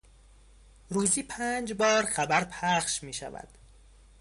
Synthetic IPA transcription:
ɾuːziːpʰæːnd͡ʒbɒːɾχæbæɾpʰæχʃmiːʃæ̰væ̰d̪̥

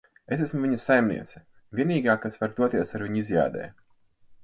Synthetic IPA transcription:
es̬æsmuviɲɐsajmnḭɛt̪sɛ̥ | vʲiɛniːɡaːkasvaɾd̪uɔt̪iɛsaɾviɲizʲja̰ːd̪ɛ̰ː

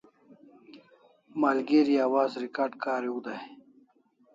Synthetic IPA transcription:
maːlɡeːɾiaːwaːzɾikaːɾɖkaːɾuɡd̪aj

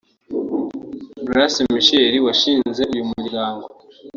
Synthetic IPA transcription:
buɾasimiʃeɾiwaʃiːnnze̞ʔujumiɾɡaːŋɡo

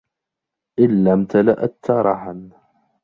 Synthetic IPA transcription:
ʔɪnːamt̪ala̰ʔat̪ːaɾˤɑħan

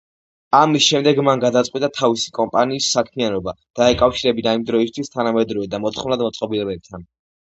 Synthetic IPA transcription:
amisʃɛmd̪ɛɡmanɡad̪at̪sʼqʼwit̪ʼat̪ʰavisi̥kʼɔmpʼaniːsːakʰmianɔba | d̪̥aɛkʼafʃiɾɛbinaimd̪ɾɔist̪ʰwist̪ʰanamɛd̪ɾɔvɛd̪amɔt̪ʰχɔmnlˠad̪mɔt̪sʼqʼɔbilɛbɛp̚t̪ʰan

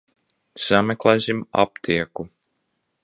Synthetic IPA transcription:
z̥amɛklˠɛsima̰pt̪ʰiɛku

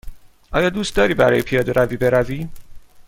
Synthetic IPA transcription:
ʔɒːjɒːd̪uːst̪̚d̪ɒːɾiːbæɾɒ̰ːjepʰijɒːd̪eɾʔæviːbe̞ɾæviː

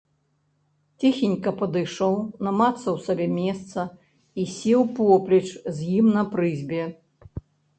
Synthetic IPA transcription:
t͡sʲixʲinʲkɐpɐd̪ɨjʂɔwnɐmat̪sːɐwsabʲɛmʲɛst̪sɐ | isʲɛwpɔplʲit͡ʂzʲjimnɐpɾɨzʲbʲɛ

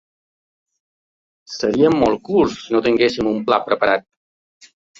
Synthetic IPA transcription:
səɾiəmːɔlˠkuɾssinot̪iŋɡesimumpla̰pɾəpəɾat̪̚

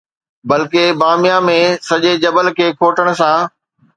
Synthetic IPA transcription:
bɐlkebaːmɪjãmẽsɐʄed͡ʑɐbəlkʰeːkʰoːʈəɽ̃̆sãː

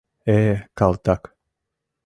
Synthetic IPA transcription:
ekalt̪ak

